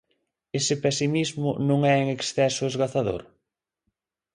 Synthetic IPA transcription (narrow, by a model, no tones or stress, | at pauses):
esɪpɛsimizmʊnõŋɛeŋeksθɛsʊezɣaθaðo̰ɾ